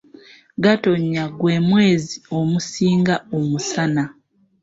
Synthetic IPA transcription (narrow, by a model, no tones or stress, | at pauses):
ɡato̞ɲːaɡwe̞ːmwe̞ːzio̞musiːŋɡaomusana